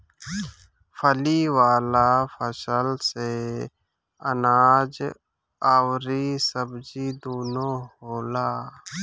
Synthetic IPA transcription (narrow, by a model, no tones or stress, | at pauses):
pʰəliːwaːlafʰəsəlse | ənaːd͡ʒ | awɾisəbd͡ʒiːd̪oːnõːhoːlaː